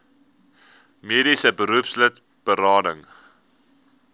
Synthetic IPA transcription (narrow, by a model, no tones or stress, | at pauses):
miːɾisəbəɾuəpslət | b̥əɾɑːdəŋ